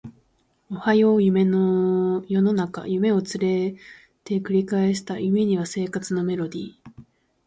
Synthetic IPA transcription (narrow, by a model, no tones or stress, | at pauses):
o̞hajo̞jɯ̟me̞nojo̞no̞naka̰jɯ̟me̞o̞t͡sɨɾe̞ | t̪e̞kɯ̟ɾʲikaeɕ̬i̥t̪ajɯ̟me̞ɲ̟iβase̞ːkat͡sɨno̞me̞ɾo̞d̪ʲiː